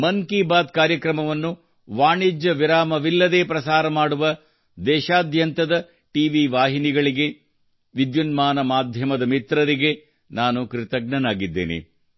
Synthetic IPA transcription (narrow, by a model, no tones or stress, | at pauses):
mɐŋkiːbaːd̪kaːɾjɐkɾɐmɐʋɐnːu | ʋaːɳid͡ʒjɐʋiɾaːmɐʋilːɐd̪eːpɾɐsaːɾɐmaːɽuʋɐ | d̪ɛːʃaːd̪ʱjɐnt̪ɐd̪ɐ | ʈiːʋiʋaːɦiniɡɐɭiɡe̞ | ʋid̪junmaːnɐmaːd̪ʱjɐmɐd̪ɐmit̪ɾɐɾiɡe̞ | naːnukɾit̪ɐɡ̚ɳɐnaːɡid̪ːḛːnḛ